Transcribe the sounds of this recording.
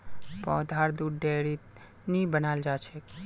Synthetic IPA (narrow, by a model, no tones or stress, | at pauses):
pɔːd̪ʱaɾd̪uɖɖeɽi | nibənald͡ʒat͡ʃʰek